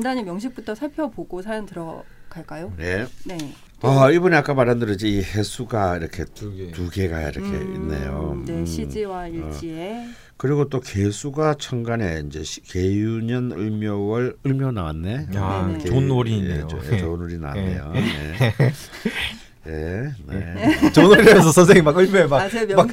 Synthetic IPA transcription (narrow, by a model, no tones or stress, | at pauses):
ndaɲimjʌŋɕ̬ʰip̚p͈utʰʌsʰaɭpʰjʌboɡosʰajʌŋtɯɾʌkaɭk͈ajoje̞ne | aibuniak͈amaɾɦandɯɾʌd͡ʑiihe̞sʰuɡaiɾʌkʰe̞ttuɡe̞ɡaḭɾʌkʰe̞̰ḭnːḛjo̰eɕid͡ʑiwaiɭie | kɯɾiɡot͈oke̞sʰuɡat͡ɕʰʌŋɡane̞ind͡ʑe̞̰ɕkejuɲʌnɯɭmjowʌɭɯɭmjʌna̰wanːe̞eonoɾinḛoo̰t͡ɕonoɾina̰wa̰nːḛjo̰nḛ | jenḛt͡ɕonoɾidemjʌns̬ʰʌsʰʌns̬ʰeŋimaɡɯɭmjoemakma